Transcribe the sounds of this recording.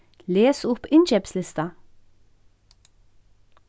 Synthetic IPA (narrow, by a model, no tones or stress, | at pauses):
leːsʊpɪnt͡ʃɛpslɪst̪ɑ